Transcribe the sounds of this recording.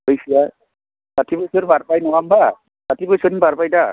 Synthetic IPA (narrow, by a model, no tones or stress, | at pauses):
bojsija | satʰibɔjsɔɾbaɹpajnɔamba | satibɔjsɔnibaɹpajta